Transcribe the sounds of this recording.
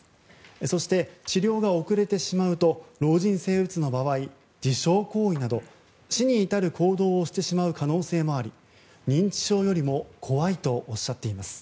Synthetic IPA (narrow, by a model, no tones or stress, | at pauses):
so̞ɕi̥t̪e̞t͡ɕiɾʲo̞ːɡao̞kɯ̟ɾe̞t̪e̞ɕimaɯ̟t̪o̞ɾo̞ːʑĩɰ̃se̞ːbɯ̟t͡sɨno̞baβai | d͡ʑiɕo̞ːko̞ːinad̪o̞ | ɕiɲ̟iːt̪aɾɯ̟kʰo̞ːd̪o̞ːɕi̥t̪e̞ɕimaɯ̟kano̞ːse̞ːmo̞aɾʲi | ɲ̟ĩɲ̟t͡ɕi̥ɕo̞ːjo̞ɾʲimo̞kʰo̞βait̪o̞ʔːɕːat̪ːe̞imasɨ̥